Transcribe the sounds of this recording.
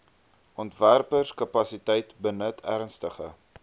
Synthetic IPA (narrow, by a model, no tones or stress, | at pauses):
ʔɔntværpərskɐpɐsitɛjtbənətʰærnstəχə̰